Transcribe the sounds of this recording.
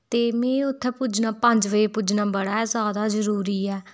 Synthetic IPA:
t̪eːmẽːʊt̪ʰːɛpud͡ʒnãːpə̃ɲd͡ʒʋəeːpud͡ʒnãːbəɽaːɛzjaːd̪aːzəɾuːɾiːɛː

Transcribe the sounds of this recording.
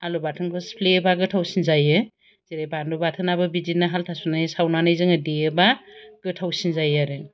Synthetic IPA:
alubatʰɯnkʰɯspʰlebaɡɯtʰawsinzajɯ | z̥iɾajbandubatʰɯnabɯbid͡ʒinːaɦaltʰasunajsawnanajzɯŋɯdiebaɡ̥ɯtʰawsinzajaɾɯn

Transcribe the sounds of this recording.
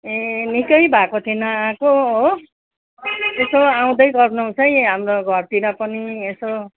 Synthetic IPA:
enikʌjbʱakot̪ʰenʌakoo | esoaw̃d̪ʌjɡʌrnʌũt͡sʰʌj̃ɦamroɡʱʌrt̪iɾʌpʌnieso

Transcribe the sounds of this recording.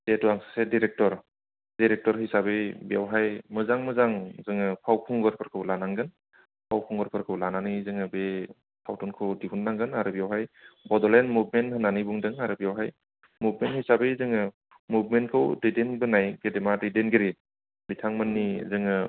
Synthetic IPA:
tetuaŋsḁsediɾek̚tɔɾ | diɾek̚tɔɾɦisabɯbija̰wɦajmɯzaŋmɯzaŋzɯŋɯpʰawpʰuŋɡɯɾpʰɯɾkʰɯwlanaŋɡɯn | pʰawpʰuŋɡɯɾpʰɯɾkʰɯwlananizɯŋɯbe | tʰawtɔnkʰɯwdihʰunːaŋɡɯnaɾɯbijawɦajbɔdɔlenmubmenthɯnanijbuŋdɯŋaɾɯbijawɦaj | mubmenthijsabezɯŋɯ | mubmentkʰɯwdejdenbɯnajɡedemadejdenɡeɾi | bitʰaŋmɯnːizɯŋɯ

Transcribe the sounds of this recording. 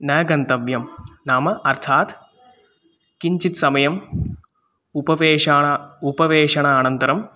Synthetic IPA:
nɐːɡɐnt̪ɐʋjɐmnaːmɐʔɐrt̪ʰaːt̪ | kiɲt͡ʃit̪sɐmɐjɐm | upɐʋeːʂaːɐupɐʋeːʂɐɳaːnɐnt̪ɐɾɐm

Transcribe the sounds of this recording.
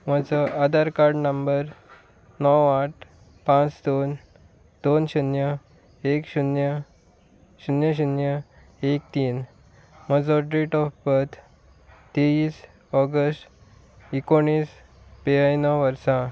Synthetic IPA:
məd͡zɔʔad̪aɾkaɾɖnəmbəɾ | nɔwaʈ̚ʰ | pãt͡sd̪on | d̪̥onɕunjə | ekɕunjə | ɕunjəɕ̬unjə | ek̚t̪iːn | m̤əd͡zɔɖɾeʈɔfbət̪ʰ | t̪eis | ɔɡəsʈ | ikoɽ̃iːs | beɦajnɔʋəɾsã

